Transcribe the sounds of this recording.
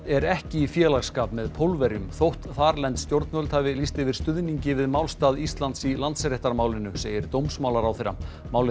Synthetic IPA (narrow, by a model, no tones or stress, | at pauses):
ɛɾɛhcɪifjɛːlaɣskaːpmɛðpʰowlvɛɾjʏmθowht̪θaːɾlɛnt̪st̪jowɾt̪nvœlt̪ʰaːjvɪlist̪ɪvɪɾ̥st̪ʏðniɲcɪvɪðmawlst̪aːðist̪lant̪silant̪sɾeht̪aɾmaːwlɪnʏseːjɪɾt̪owmsmaːwlaɾawθeɾːa̰ | maːwlɪ